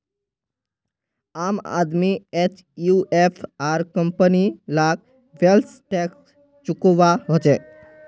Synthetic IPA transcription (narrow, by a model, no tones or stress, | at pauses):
aːma̰d̪miet͡ʃ | juʔepʰaːɾkəmpənilak̚ | ʋelʈɛks | t͡ʃukoʋaɦot͡ʃe